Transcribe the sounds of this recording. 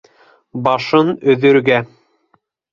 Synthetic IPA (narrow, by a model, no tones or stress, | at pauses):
bɑʃɤnɵ̆ðɵ̆ɾɡæ